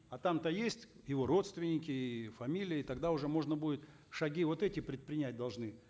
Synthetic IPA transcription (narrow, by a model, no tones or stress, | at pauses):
ɐt̪amt̪əjesʲtʲ | jɪvo̞ɾo̞t̪st̪vʲɪnʲɪkʲɪːfɐmʲilʲɪjəɪt̪ɐɡd̪aʊʐɛmo̞ʐnəbudʲɪt̪ | ʂɐɡʲivo̞t̪ɛtʲɪpɾʲɪt̪̚pɾʲɪnʲæt̚ʲd̪ɐlˠʐnɨ